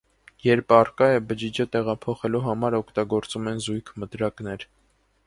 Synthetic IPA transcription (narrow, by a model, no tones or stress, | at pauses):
jɛɾpʰɑrkɑjɛbəd͡ʒid͡ʒət̪ɛʁɑpʰɔχɛluɦɑmɑɾɔkʰt̪ɑɡɔɾt͡sumɛnzujkʰmət̪ɾɑkn̪ɛɾ